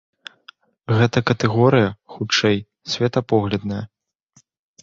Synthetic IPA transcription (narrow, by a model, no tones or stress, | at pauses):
ɣɛt̪ɐkɐt̪ɛɣɔɾɨjɐxut͡ʂɛj | sʲvʲɛt̪ɐpɔɣlʲɐd̪nɐjɐ